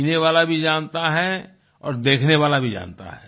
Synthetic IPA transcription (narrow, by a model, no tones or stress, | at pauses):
neʋaːlabʱid͡ʒãːnt̪aɦɛ | ɔ̰ːɾd̪eːkʰneʋaːlabʱid͡ʒa̰ːnt̪a̰ɦɛː